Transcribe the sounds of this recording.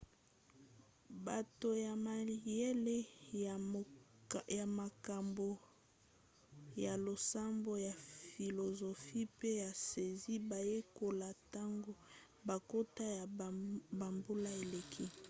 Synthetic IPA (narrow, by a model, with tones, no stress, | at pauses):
ba˨to˨ja˨ma˨je˦le˦˨ | ja˨ma˨ka˨mbo˨ | ja˨lo˨sa˦mbo˦ja˨fi˨lo˨zo˨fi˦pe˦ja˨se˨zi˦ba˨je˦ko˨la˨ta˦ŋɡo˦ | ba˨ko˦ta˦ja˨ba˨mbo˦la˦e˨le˨kʰi˦